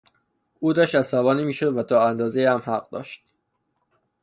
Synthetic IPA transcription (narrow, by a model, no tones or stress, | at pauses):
uːd̪ɒʃt̪æssævɒːniːmiːʃod̪væt̪ʰɒːænd̪ɒːzejihæmhæɢ̚d̪ɒ̰ːʃt̪̚